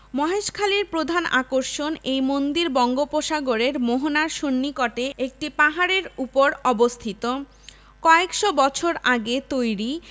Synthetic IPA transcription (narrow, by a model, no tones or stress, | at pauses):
mɔɦeʃkʰaliɾpɾod̪ʱana̰koɾʃonejmond̪iɾbɔŋɡopoʃaɡoɾeɾmoɦonaɾʃonːikɔʈeek̚ʈipaɦaɾeɾupoɾɔbost̪ʰit̪o | kɔekʃobɔt͡ɕʰoɾaɡet̪ojɾi